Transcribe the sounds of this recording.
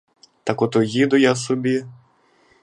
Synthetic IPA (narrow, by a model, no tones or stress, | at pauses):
t̪ɐkɔt̪ʊjid̪ʊjasɔbʲi